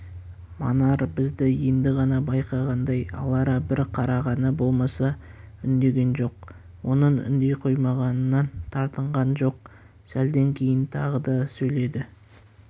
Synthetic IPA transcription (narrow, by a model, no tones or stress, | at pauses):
mɑ̰nɑɾbɪzd̪ɪje̞nd̪ɪʁɑnɑbɑjqɑʁɑnd̪ɑjɑ̰lˠɑɾɑbɪɾqʰɑɾɑʁɑnəbo̞lˠmɑsɑʏnd̪e̞ɡʲe̞nʒo̞q | wo̞nəɴʏ̰nd̪e̞jqʰo̞jmɑʁɑnənːɑnt̪ʰɑɾt̪əɴʁɑnʒo̞q̚ | sæld̪e̞ŋkʲʰe̞jɪnt̪ʰɑʁəd̪ɑsɵjle̞d̪ɪ